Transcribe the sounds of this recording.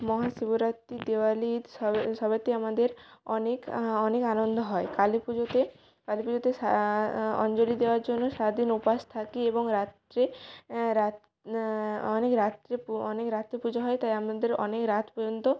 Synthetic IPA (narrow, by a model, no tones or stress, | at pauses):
mɔɦaʃiboɾat̪ːid̪ewalid̪ʃɔʃɔbat̪eamad̪eɾɔnekɔnekanond̪ʱoɦɔekalipud͡ʑot̪e | kalipud͡ʑot̪ea | ɔ̰nd͡ʑolid̪eoaɾd͡ʑonːoʃaɾad̪inupaʃt̪ʰakieboŋɾat̪ɾeɾa | ɔnekɾat̪ɾepɔnekɾat̪ːɾepud͡ʑaɦɔet̪ajamad̪eɾɔnekɾat̪ʰpɔd͡ʑont̪o